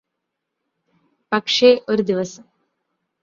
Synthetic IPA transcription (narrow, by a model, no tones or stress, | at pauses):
pɐkʂeːʔoɾd̪iʋɐs